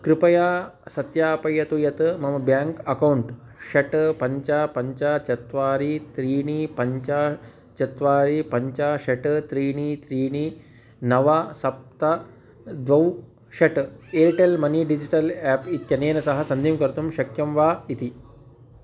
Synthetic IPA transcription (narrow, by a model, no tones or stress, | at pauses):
kɾɪpɐjaːsɐt̪jaːpɐjɐt̪ujɐt̪ɨmɐmɐbjaːŋkɐkɐwɳʈ | ʃɐʈpɐɲt͡ʃapɐɲt͡ʃat͡ʃɐt̪ʋaːɾit̪ɾiːɳipɐɲt͡ʃa | t͡ʃɐt̪ʋaːɾipɐɲt͡ʃaʃɐʈt̪ɾiːɳit̪ɾiːni | nɐʋasɐp̚t̪ɐ | d̪ʋɐw | ʃɐʈeːɾiʈelmɐniɖid͡ʒiʈɐlæːpit̪jɐneːnɐsɐɦɐsɐnd̪ʱiːmkɐɾt̪umʃɐkjɐmʋaːit̪i